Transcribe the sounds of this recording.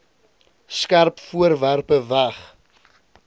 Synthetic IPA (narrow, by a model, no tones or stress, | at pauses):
skærpfuərværpəvæχ